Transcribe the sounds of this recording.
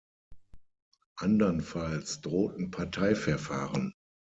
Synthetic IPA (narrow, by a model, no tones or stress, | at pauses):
ʔandɐnfalsd̥ʁoːtn̩pʰaɐtʰaɪfɛɐfaːʁən